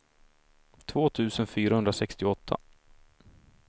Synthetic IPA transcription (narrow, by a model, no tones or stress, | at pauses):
t̪ʰvoːt̪ʰʉ̟ːsənfyːɾahɵnd̪ɾasɛkst̪ɪɔt̪ʰːa̰